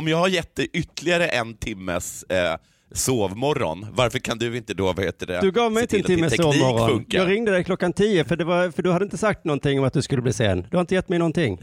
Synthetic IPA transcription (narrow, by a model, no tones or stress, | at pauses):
ɔmjɑːɡhaɾjɛt̪̚d̪ɛʔʏt̪lɪaɾəʔɛnt̪ʰɪmːə̰sː | oːvmɔɾːɔ̰nvaɾfœɾkʰand̪ɵɪnt̪əd̪ovaheːt̪əɖɛ̰d̪ɵɡɑːvmɛjɪnəɛnʰɪmːəsɛsoːvmɔɾɔ̰nfɵŋkaɑːɡɾɪŋd̪əd̪ɛjkʰlɔkːant̪ʰiːjəfœɖɛvaɾfœɖɵhad̪ɛɪnt̪əsak̚t̪nɔnt̪ɪŋːɔmat̪̚d̪ɵskɵlːb̪iːsḛːnd̪ɵhaɾɪnt̪əjɛt̪ːmɛjnɔnt̪ʰɪŋː